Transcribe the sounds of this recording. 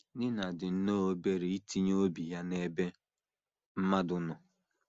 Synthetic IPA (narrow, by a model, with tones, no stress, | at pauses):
nɪ˦na˨dɪ˨n̩˦no˦o˦be˦ɾe˨i˦tʰi˦ɲ˦o˦bi˨ja˦ne˦be˦ | m̩˦ma˦dʊ˦nɔ˨